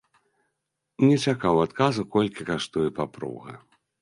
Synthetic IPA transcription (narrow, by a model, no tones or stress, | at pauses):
nʲɛt͡ʃakawat̪kazukɔlʲkʲikaʂt̪ujɛpapɾṵɣɐ̰